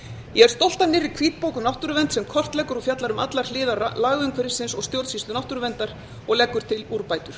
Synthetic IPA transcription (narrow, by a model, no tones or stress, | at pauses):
jɛɛɾ̥st̪owl̥t̪anːɪɾikʰviːt̪̚powkʏmnawht̪ʏɾʏvɛnt̪sɛmkʰɔr̥t̪lɛkʏɾɔfjat̪laɾʏmat̪laɾ̥lɪːðaɾlaːɣʏŋkvɛɾɪ̥sɪnsɔɣst̪jowt̪sist̪ʏnawht̪ʏɾʏvɛnt̪aɾ | ɔɣlɛkːʏɾ̥t̪ʰɪluːɾpaːjt̪ʏɾ̥